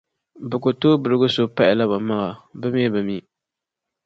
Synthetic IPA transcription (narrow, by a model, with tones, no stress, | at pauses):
bɨ˨ko˨toː˦bɨ˨ɾɨ˦ɡʊ˦so˦pa˦ʔɪ˨la˦ba˨ma˦ŋa˨bɨ˦me˦bɨ˨miː˦